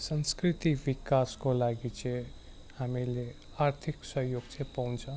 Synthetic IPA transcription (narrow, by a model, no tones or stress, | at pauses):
sʌ̃nskɾit̪iʋikaskolaɡit͡ʃʰe | hamile | aɾt̪ʰiksʌɦjoɡt͡ʃʰepaw̃nt͡sʰʌ̃